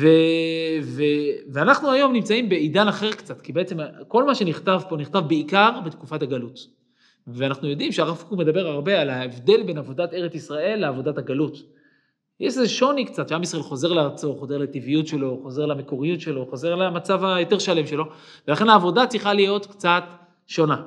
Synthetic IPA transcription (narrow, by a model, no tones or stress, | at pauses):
ve | veveanaχnuajo̞mnimt͡saimbe̞idanaχe̞ʁkt͡satkibeet͡semko̞lmaʃe̞niχt̪avpo̞niχtavbeikaʁbet̪kufataɡalut̪ | veanaχnujo̞dimʃeaʁafkume̞d̪abe̞ʁaʁbe̞alaevd̪e̞lbe̞navo̞dateʁet͡sisʁae̞lːeavo̞dataɡalut̪ | jeʃzeʃo̞nikt͡sat̪ʃeamisʁaʔelχo̞ze̞ʁleaʁt͡so̞χo̞ze̞ʁlat̪ivijutʃe̞lo̞χo̞ze̞ʁlameko̞ʁijutʃe̞lo̞χo̞ze̞ʁlamat͡savajote̞ʁʃale̞mʃe̞lo̞ | velaχe̞naːvo̞dat͡siχalijo̞tkt͡sat̪ | ʃo̞na